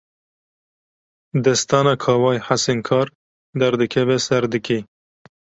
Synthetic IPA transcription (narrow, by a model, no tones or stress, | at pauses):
d̪ɛst̪ɑːnɑːkʰɑːwɑːjħasenkʰɑːɾ | d̪ɛɾd̪ɨkʰɛvɛsɛɾd̪ɨkʰe